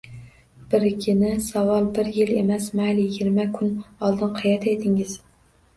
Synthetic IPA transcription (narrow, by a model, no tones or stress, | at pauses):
b̥ɪɾkʲʰɪnɪsɑvɑlˠbɪɾjɪlemɛsmælɪiːɡʲɪɾmɛkʲʰʊnɒlˠd̪ɨnqʰɑjɛt̪ʰet̪ʰɪŋɪz̥